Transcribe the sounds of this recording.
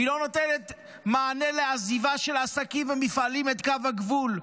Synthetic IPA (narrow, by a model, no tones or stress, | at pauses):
ilo̞notenet | maːne̞leazivaʃe̞lasakimvemifalime̞t̪kavaɡvul